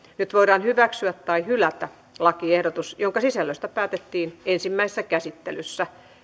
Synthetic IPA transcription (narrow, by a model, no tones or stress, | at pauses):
nyt̪ʋoiɾɑːnhyʋæksyæt̪t̪ɑihylæt̪æ | lɑkiehdot̪usjoŋkɑsisælːøst̪æpæːt̪et̪ːiːnensimːæise̥sːækæsit̪ːḛlysːæ